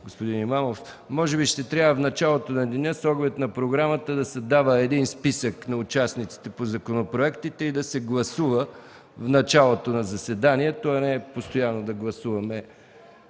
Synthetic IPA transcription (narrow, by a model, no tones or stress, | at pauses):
ɡospod̪inimamof | mɔʒɛbiʃt̪ɛt̪ɾʲavəfnɐt͡ʃalˠot̪onɐd̪ɛnʲəsɔɡlɛt̪nɐpɾoɡɾamət̪əd̪ɐsɛd̪avəɛd̪inspisəknɐʊt͡ʃasnit̪si̥t̪ɛpozɐkonopɾoɛkt̪it̪ɛid̪ɐsɛɡlˠɐsuvə | fnɐt͡ʃalˠot̪onɐzɐsɛd̪aniɛt̪oɐnɛːpost̪ojanod̪ɐɡlˠɐsuvɐmɛ